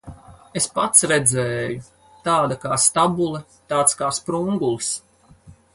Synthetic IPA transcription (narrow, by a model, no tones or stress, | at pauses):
espat̪sɾɛd̪zɛːju | t̪aːd̪akaːst̪abulˠɛ | t̪aːt̪skaːspɾuŋɡulˠs